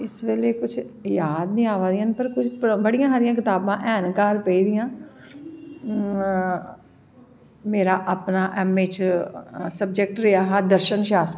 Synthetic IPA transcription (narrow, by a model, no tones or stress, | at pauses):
ɪsʋeːleːkʊt͡ʃʰ | jaːd̪nĩːaːʋaːd̪ɪijãːnpəɾkʊt͡ʃʰpbəɽɪjãːɦaːɾɪjãːk̬ɪt̪aːbãːʔɛːnkaːɾpəiːd̪ɪjãː | meːɾaːʔaːpnaːʔɛːmeːt͡ʃ | səbd͡ʒək̚ʈɾɪaːɦɛːd̪əɾʃənʃaːst̪ː